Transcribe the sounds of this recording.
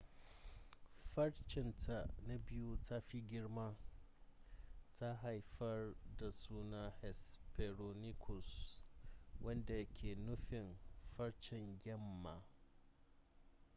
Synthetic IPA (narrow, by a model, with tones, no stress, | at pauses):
ɸɐ˦ɽt͡ʃɪ˨ntʰa˨na˦bɪ˦ju˦tʰa˦ɸi˦ɡʲɪ˦ɽma˦ | tʰa˦ɦa˨jɸɐ˦rda˨suː˦na˦hɛ˨spɛ˨ɾo˨nɪ˦kʰʊ˨s | wʔɐ˦nda˨jɐ˦kʲʰeː˨nʊ˦ɸɪ˨nɸɐ˦ɽt͡ʃɪ˨ŋɡʲɛ˦mːa˨